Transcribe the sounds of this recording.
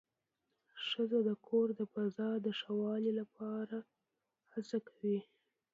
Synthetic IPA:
ʂəzod̪əkʰoɾd̪əpazɑɾd̪əʂawɑlilapʰɑɾa | hasakʰawi

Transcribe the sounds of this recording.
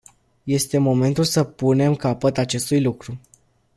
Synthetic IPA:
je̞st̪e̞mo̞me̞nt̪ulsəpune̞mkapət̪at͡ʃe̞st̪ujlukɾu

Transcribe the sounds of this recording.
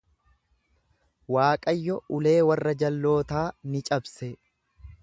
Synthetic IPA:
waːkʼɐjːɔʔʊle̞ːwɐrːɐd͡ʒɐlːo̞ːt̪aːnɪt͡ʃʼɐbsɛ

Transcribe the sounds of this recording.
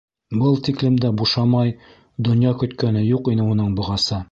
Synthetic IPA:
bɤlˠt̪iklɘ̆md̪æbuʃɑmɑj | d̪ŏnjɑkɵ̆t̪kænɘjuqinɘunɤɴbŏʁɑsɤ

